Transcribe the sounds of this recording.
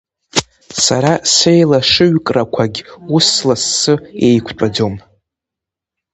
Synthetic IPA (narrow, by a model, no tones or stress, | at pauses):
saɾasejlaʂɨɥkʼrakʷʰaɡʲuslasːɨejkʷʰʈ͡ʂʷʼad͡zom